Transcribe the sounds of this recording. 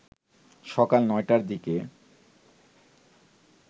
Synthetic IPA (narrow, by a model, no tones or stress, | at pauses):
ʃɔkalnɔjʈaɾd̪ike